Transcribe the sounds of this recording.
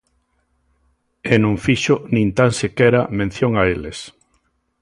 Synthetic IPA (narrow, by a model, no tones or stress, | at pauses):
enõŋfiʃonĩnt̪ansekɛɾamẽnθjoŋaeles